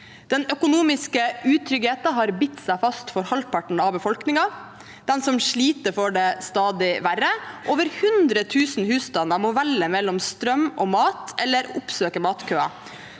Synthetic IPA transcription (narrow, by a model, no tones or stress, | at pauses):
d̪̥ɛnœkʊnuːmɪskəʉːt̪ʰɾʏɡheːt̪ɑɦɑːɾbɪt̪ːsæɪfɑst̪fɔɾhɑlpʰɑʈɳ̩ɑʋbəfɔlknɪŋɑ | d̪̥ɛnsɔmʂɭiːt̪əɾfɔɖeːst̪ɑːd̪ɪʋæɾəʔoːʋəɾhʉnd̪ɾət̪ʰʉːsn̩hʉːst̪ɑnɑmɔʋɛlːəmɛlːɔmst̪ɾœmʔoːmɑːt̪ʰɛlːəɾʊpsøːkəmɑːt̪kʰøːɑ̰